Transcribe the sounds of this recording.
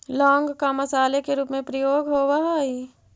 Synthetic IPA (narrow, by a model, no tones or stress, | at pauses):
lɔ̃ːŋɡkamɐsaːlekeɾuːpmẽpɾəjoːɡɦowaɦai